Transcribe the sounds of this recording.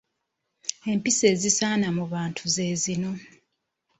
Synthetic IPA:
e̞mpise̞ːzisaːnamuβaːntʰuzezino̞

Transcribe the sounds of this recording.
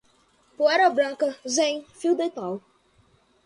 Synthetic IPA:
poɛɾɐbɾɐ̃kɐzẽjfiwd̪et̪aw

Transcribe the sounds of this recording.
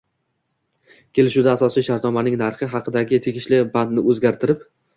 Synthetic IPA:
kʲʰe̞lɪʃud̪aːsɒsiʃaɾt̪nɒmanɪŋnaɾχɪɦɑqʰɨd̪aɡʲɪt̪ʰeɡʲɪʃlɪband̪nɪʔɵzɡʲaɾt̪ʰɪɾɪp̚

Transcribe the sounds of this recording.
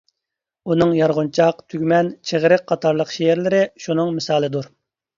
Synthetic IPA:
unɨŋjɑɾʁunt͡ʃʰɑqt̪ʰyɡʲmɛnt͡ʃʰeʁɾɨq̚qʰːɑt̪ʰɑɾlˠəqʃeɛɾlɪɾɪʃunɨŋmɪsɑːlˠɨd̪uɾ

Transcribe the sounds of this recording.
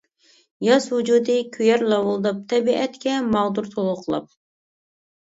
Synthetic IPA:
jɑswud͡ʒud̪ɨkʲʰyjɛɾlˠɑwulˠd̪ɨp̚t̪ʰɛbiʔɛt̪kʲɛmɑʁd̪uɾt̪ʰolˠʊqʰəlˠɑ̰p̚

